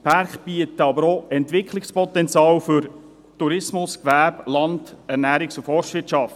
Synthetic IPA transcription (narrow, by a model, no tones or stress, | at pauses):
pʰæɾχb̥iət̪əɑbəɾoɛnt̪ʋɪkʰlɪkspɔt̪ɛnt͡sjɑːlfʏɾ | tuɾɪsmʊskʋæblɑndæɾnæːɾɪksufɔɾʃʋɪtʃɑft